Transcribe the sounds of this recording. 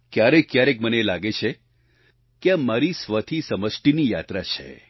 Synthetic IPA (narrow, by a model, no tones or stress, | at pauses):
kjaɾekjaɾekmənelaɡet͡ʃʰe | keamaɾisʋət̪ʰisəməsʈinijat̪ɾat͡ʃʰḛ